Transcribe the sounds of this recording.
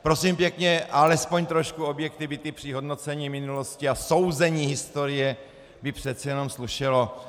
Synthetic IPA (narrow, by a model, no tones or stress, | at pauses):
pɾo̞siːmpjɛkɲɛʔalɛspo̞ɲt̪ɾoʃkuo̞bjɛkt̪ɪvɪt̪ɪpr̝̥ɪɦo̞dno̞t͡sɛɲiːmɪnulo̞scɪaso̞wzɛɲiːɦɪst̪oɾɪjɛ | bɪpr̝̥ɛt̪t͡sijɛnomsluʃɛlo